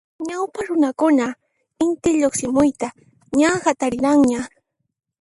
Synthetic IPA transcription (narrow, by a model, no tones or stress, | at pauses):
ɲawpaɾʊnakʊna | ɪnt̪ɪʎoχsɪmʊjt̪a | ɲahat̪aɾɪɾaŋɲa